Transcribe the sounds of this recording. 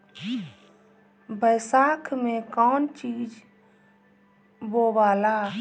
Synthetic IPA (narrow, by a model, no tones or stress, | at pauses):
bəjsakʰmekɔnt͡ʃid͡ʒ | bobaːla